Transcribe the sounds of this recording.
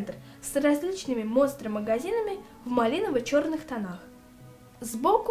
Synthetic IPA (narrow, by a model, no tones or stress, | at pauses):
nt̪r | srɐzʲlʲit͡ɕnɨmʲɪmost̪rəməɡɐzʲinəmʲɪ | vmɐlʲinəvɨt͡ɕo̞rnɨxt̪ɐnax | zbok